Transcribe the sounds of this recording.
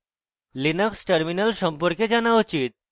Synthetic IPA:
linəksʈəɾminalsəmpɔɾked͡ʑanaot͡ɕiːt̪̚

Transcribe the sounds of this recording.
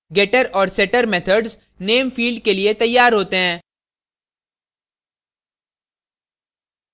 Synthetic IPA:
ɡeːʈəɾɔːɾsɛːʈəɾmɛːt̪ʰəɖz | neːmfiːlɖ̚keliet̪ɐjːaːɾɦoːt̪eɦɛ̃ː

